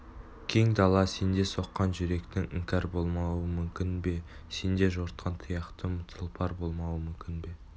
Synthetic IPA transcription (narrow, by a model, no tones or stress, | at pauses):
kʲʰe̞ŋd̪ɑlˠɑse̞nd̪eso̞qːɑnʒʏɾe̞kt̪ɪŋɪŋkʲɑɾbo̞lˠmɑwəmʏmkʲɪnbe̞ | se̞nd̪e̞ʒo̞ɾt̪̚qʰɑnt̪ʰəjɑqt̪əmʊt̪ʰəlˠpʰɑɾbo̞lˠmɑwəmʏmkʲɪnbe̞